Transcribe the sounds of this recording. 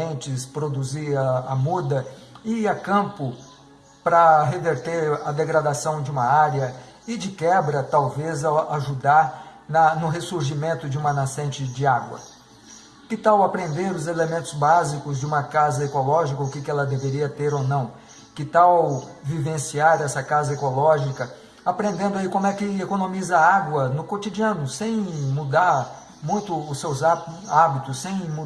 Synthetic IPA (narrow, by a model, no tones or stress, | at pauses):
ẽnt͡ʃɪspɾod̪uziɾɐamud̪ɐɪɐkɐ̃pʊ | pɾɐɦeveɾt̪eɾɐd̪eɡɾad̪asɐ̃w̃d͡ʒɪũmɐaɾjɐ | ɪd͡ʒɪkɛbɾɐt̪awvezaaʒud̪aɾ | nɐnʊɦesuɾʒimẽnt̪ʊd͡ʒɪũmɐnasẽnt͡ʃɪd͡ʒɪaɡwɐ̰ | kɪt̪awapɾẽnd̪eɾʊzelemẽnt̪ʊzbazikʊzd͡ʒɪũmɐkazɐekolɔʒikɐʊkɪkɪɛlɐd̪eveɾiɐt̪eɾonɐ̃w̃ | kɪt̪awvivẽsiaɾɛsɐkazɐekolɔʒikɐ | apɾẽnd̪ẽnd̪ʊaikõmʊɛkɪekonõmizɐaaɡwɐnʊkot̪id͡ʒiɐ̃nʊsẽj̃mud̪aɾ | mũj̃t̪ʊːsewzaabit̪ʊsːẽj̃m